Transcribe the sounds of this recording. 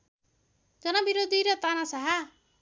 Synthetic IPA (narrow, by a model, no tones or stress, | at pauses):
d͡ʒɔnabiɾod̪iɾɔt̪anasaɦa